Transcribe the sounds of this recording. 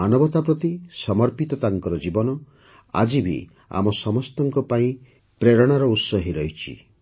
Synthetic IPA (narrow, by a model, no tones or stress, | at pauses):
anɔbɔt̪apɾɔt̪isɔmɔɾpit̪ɔt̪aŋkɔɾɔd͡ʒibɔnɔ | a̰d͡ʒibḭ | a̰mɔsɔmɔst̪ɔŋkɔpaĩ | pɾeɾɔɽ̃aɾɔut̪sɔɦiɾɔjt͡ʃʰḭ